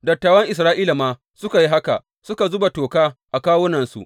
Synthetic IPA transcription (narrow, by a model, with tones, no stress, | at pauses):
dɐ˨tːaː˨wɐ˦ŋʔɪ˨s̬ɾaː˦ʔiː˦la˨maː˦ | sʊ˦ka˨ji˦ɦa˦ka̰˨ | sʊ˦ka˨zʊ˦ba˨toː˨kaː˦ʔa˨kaː˦wʊ˦nɐ˨nsṵ˨ʔ